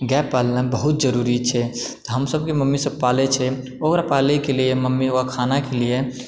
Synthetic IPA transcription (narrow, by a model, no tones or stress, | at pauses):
ɡɛpːallãbəɦut̪̚d͡ʒəɾuɾit͡ʃʰɛt̪ɔɦəmsəb̚keməmːisəb̚palet͡ʃʰɛ | okɾapalekelieməmːioakʰanakelije